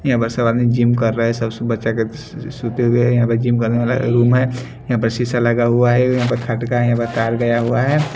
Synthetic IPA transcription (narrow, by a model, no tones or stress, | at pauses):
jɐɦãpəɾsəbaːd̪nid͡ʒimkəɾːəɦɛsəbsbətːʃake | sut̪eɦueɦɛjɐɦãpəɾd͡ʒimkɐɾneʋala̰ɾuːmɦɛ | jɐɦãpəɾsisaləɡaɦuaɦɛjɐɦãp̬əɾkʰɐʈkaɦɛjɦãpəɾt̪aːɾɡəjaɦuaɦɛː